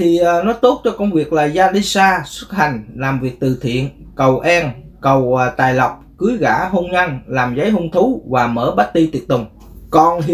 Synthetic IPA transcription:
t̪ʰi˨˩ʔəː˨˩nɔ˨˦t̪o˦˥t̚t͡ɕɔ˧kə˧wŋ͡mvi˨˩ək̚laː˨˩jzaː˧ɗi˧saː˧swə˦˥t̚ha˨˩jŋ̟laː˨˩mvi˨˩ək̚t̪ɨ˨˩t̪ʰḭ˧˨ən | kə˨˩wʔɛ˧nkə˨˩wt̪aː˨˩jla˨˩wk͡p̚kɨ˨˦əjɣa̰ː˧˥ɦo˧nɲa˧nlaː˨˩mzə˨˦jɦo˧nt̪ʰu˨˦vaː˨˩məː˧˩ɓa˦˥t̚t̪i˧t̪i˨˩ət̚t̪ʊ˨˩ŋ͡m | kɔ˨˩nɦ

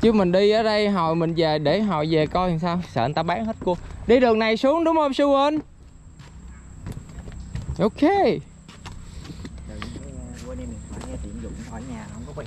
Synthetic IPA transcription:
t͡ɕɨ˨˧˦mï˨˩ŋ̟ɗi˧ʔəː˨˩ɗə˧jɦɔ̰˧˨jmï˨˩ŋ̟ve˨˩ɗe˧˩ɦɔ̰˧˨jve˨˩kɔ˧˨˩ŋsaː˧wsə̰ː˧˩˨nt̪aː˧ɓaː˨˦˥ŋhe˦˥t̚ku˧əɗi˧ɗɨ˨˩əŋna˨˩jsu˨˦əŋɗʊ˨˦wŋ͡mhoː˧msu˧ə˧n | ʔo˧wke˧˨˧ | ɔ˧˦ɲaː˨˩˨

